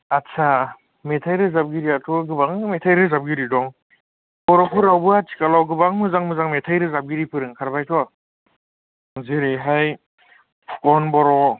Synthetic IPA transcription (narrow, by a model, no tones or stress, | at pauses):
atsʰa | metʰajɾɯzab̚ɡiɾiatʰɔɡɯbaŋmetʰajɾɯzab̚ɡiɾidɔŋ | bɔɾɔkʰɯɾawbɯatʰi̥kalɔwɡɯbaŋmɯzaŋmɯzaŋmetʰajɾɯzab̚ɡiɾipʰɯɾɯŋkʰaɾbajtʰɔ | ziɾiɦaj | pʰu̥kɔnbɔɾɔ